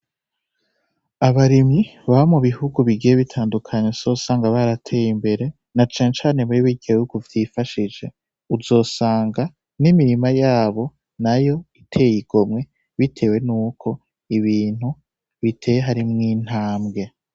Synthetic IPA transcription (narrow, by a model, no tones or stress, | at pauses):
aβaɾimiβaβamuβihuɡuβiɡijeβitʰaːndukʰaɲesoːsaːŋɡaβaɾatʰe̞ːjimbe̞ɾe̞ | nat͡ʃaːɲet͡ʃaːne̞βuiβiɡejuɡuvjiːfaʃid͡ʒe̞ | uzo̞ːsaːŋɡa | nimiɾimajaːβo̞ | najo̞itʰe̞ːjiɡ̥o̞mŋe̞ | βitʰe̞ːwe̞nuːkʰo̞ | iβiːn̥hu | βitʰe̞ːjeɦaɾimŋiːn̥haːmɡe̞